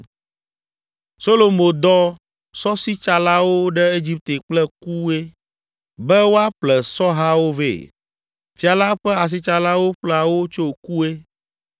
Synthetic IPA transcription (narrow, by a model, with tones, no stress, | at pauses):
so˦lo˨mõ˨d̪ɔ˦ | sɔ˦si˦t͡ʃa˨la˦wo˦ɖɛ˦e˦d͡ʑi˦p̚t̪e˨k͡plɛ˦ku˦e˦ | bɛ˦wo˦a˦k͡plɛ˨sɔ˦ɦa˦wo˦vḛ˦˨ | fi˨a˨la˦ɸɛ˦a˨s̬i˦t͡ʃa˨la˦wo˦ɸlɛ˦a˨wo˦t͡ʃo˦ku˦e˦